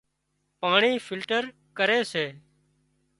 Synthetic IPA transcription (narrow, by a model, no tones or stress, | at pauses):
paːɳiːfʰɪlʈəɾ | kəɾeːseː